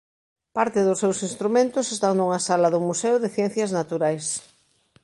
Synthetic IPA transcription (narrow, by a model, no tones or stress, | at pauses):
paɾt̪ɪðʊsːewsinst̪ɾumẽnt̪ʊsest̪aŋnuŋasalɐðʊmuseʊðɪθjɛ̃n̟θjɐznat̪uɾajs